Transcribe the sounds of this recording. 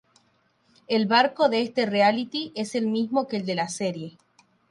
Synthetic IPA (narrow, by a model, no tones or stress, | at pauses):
elβaɾko̞ðeest̪e̞realit̪iʔe̞se̞lmizmo̞keːld̪e̞laseɾje̞